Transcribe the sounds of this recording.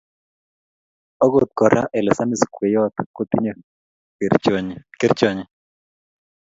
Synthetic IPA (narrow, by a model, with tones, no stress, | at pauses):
ɔ˦ɡo˨t̪̚kɔ˨ɾa̰˦ʔɛ˨lɛ˨sa˦mi˦˨skwe˨jɔ˦t̪ko˦t̪i˦ɲe˨ | kɪ˦ɾt͡ʃɔ˦ɲɛ˨